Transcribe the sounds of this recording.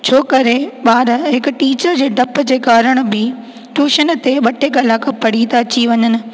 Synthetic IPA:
t͡ɕʰoːkɐɾeɓaːɾɦɪkʊ̆ʈiːt͡ɕəɾd͡ʑeːɖʱɐpd͡ʑeːkaːɾəɽ̃̆bɪ | ʈuːʃən̆t̪eɓɐʈʰekɐlaːkʰpɐɽit̪at͡ɕiʋɐɲənɪ̆

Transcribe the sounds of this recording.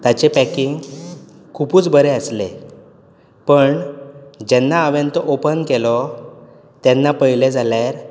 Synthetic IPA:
t̪at͡ɕepækiŋɡ | kʰupuːt͡sbəɾeəslḛ | pəɳd͡ʑɛnːaəʋãnt̪ɔʔopənkelɔ | t̪jɛnːapəjled͡zʱaljaɾ

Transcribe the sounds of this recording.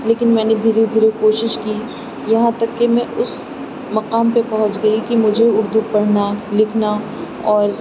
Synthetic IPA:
leːkɪnmɛ̃ːned̪ʱiːɾed̪ʱiːɾekoːʃɪʃki | jɐɦãt̪ɐkːemɛ̃ʔʊs | mɐqaːmpepɐɦʊ̃t͡ʃɡɐikimʊd͡ʒʱeʊɾd̪upɐɽ̤nalɪkʰna | ɔːɾ

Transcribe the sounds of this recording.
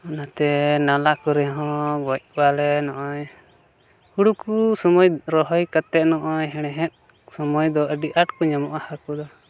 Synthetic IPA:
ɔnat̪ɛnalakɔɾɛɦɔ̃bɔc̚balɛnɔʔɔɲ | huɽukusɔmɔjɾɔɦɔjkat̪ɛʔ̪̚nɔʔɔɲɦɛɽ̃ɛɦɛ̃t̪̚ | sɔmɔjd̪ɔəɖiʔaʈkɔɲamɔʔahakɔd̪ɔ

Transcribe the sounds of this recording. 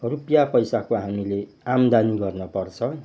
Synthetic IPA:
rupjapʌjsakoɦamile | amd̪aniɡʌrnʌpʌrt͡sʰʌ

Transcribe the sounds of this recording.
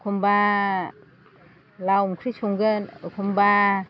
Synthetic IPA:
kʰumba | lawmkʰɾisuŋɡɯnkʰumba

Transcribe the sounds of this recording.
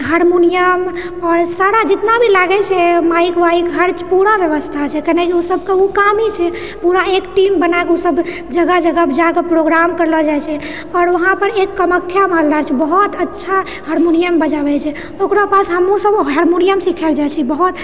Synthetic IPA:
ɦaɾmunijəm | ɔɾsaɾad͡ʒɪt̪nabʱilaɡɛt͡ʃʰɛmaikʋaikɦəɾt͡ʃpuɾaʋjəʋəst̪ʰat͡ʃʰɛkəɦnekiosəbʱkeukamit͡ʃʰɛ | puɾaekʈimbənaekusəbʱ | d͡ʒəɡad͡ʒəɡabd͡ʒakepɾoɡɾamkəɾlɔd͡ʒajt͡ʃʰɛ | ɔːɾʋəɦãpəɾekːəməkʰːjamald̪aɾt͡ʃʰɛbəɦut̪ətːʃʰa | həɾmonijəmbəd͡ʒabɛt͡ʃʰɛ | okɾapasɦəmusəbɦəɾmunijəmsikʰɛld͡ʒajt͡ʃʰɛbəɦut̪

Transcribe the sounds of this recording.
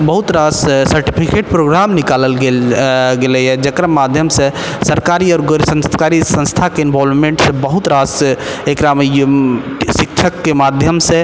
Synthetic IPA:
bəɦut̪ɾassəɾʈipʰikeʈpɾoɡɾamnikaləlɡelɡelɛjɛd͡ʒəkɾamad̪ʱjəmsẽ | səɾkaɾiɔɾɡəɾsə̃nst̪kaɾisə̃nst̪ʰakeinbɔlmeɳʈsẽbəɦut̪ɾasekɾame | sik̚t͡ʃʰəkːemad̪ʱjəmsẽ

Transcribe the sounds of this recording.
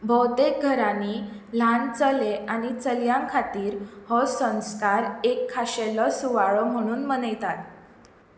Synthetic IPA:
bʱɔwt̪ek̚ɡʱəɾãniː | lant͡səleanit͡səljãŋkʰat̪iːɾhɔsə̃nskaɾekʰːaɕelɔsuʋaɭɔm̤əɽ̃uːnmənəjt̪at̪

